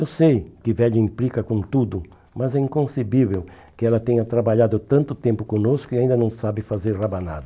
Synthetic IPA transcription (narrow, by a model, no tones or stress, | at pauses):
ewsejkɪvɛʎɐĩmplikɐkõnt̪ud̪ʊ | mɐzɛĩŋkõsebivew | kɪɛlɐt̪ẽɲɐt̪ɾabaʎad̪ʊt̪ɐ̃nt̪ʊt̪ẽmpʊkõnoskʊiaĩnd̪ɐnɐ̃w̃sabɪfazeɾrabanad̪ɐ